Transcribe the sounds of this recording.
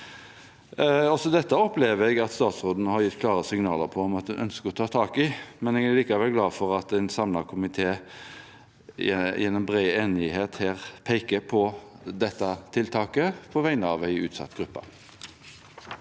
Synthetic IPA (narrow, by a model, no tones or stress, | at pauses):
ɔsɔd̪ɛt̪ːəɔpleːʋɛɡɑt̪st̪ɑːt̪sʁoːd̪nəhɑɾjɪt̪ːkʰlɑːʁəsɪŋnɑːləɾpʰɔɔmɑt̪̚d̪ʉnʔœ̰nskəɾɔt̪ʰɑːt̪ʰɑːkɪmɛneːɡæliːkɑʋɛlɡlɑːfɔʁɑt̪æɪnsɑmlɑkʰʊmɪt̪ʰeː | jɛnmbʁeːeːnɪheːt̪heːʁpʰæɪkəpʰɔ | d̪ɛt̪ːɑt̪ʰɪlt̪ʰɑːkəpʰɔʋæɪnəɑʋæɪʉːt̪sɑ̰t̪ːɡ̥ɾʉpːɑ̰